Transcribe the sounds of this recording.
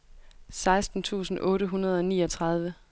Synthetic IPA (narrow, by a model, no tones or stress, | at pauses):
sɑ̈ɪsd̥n̩t͡sʰṵːsn̩ʔɔ̽ːɾəɦunɐð̞ˠɒ̽niːɒ̽t͡sʰʁɑ̈ð̞ˠʋə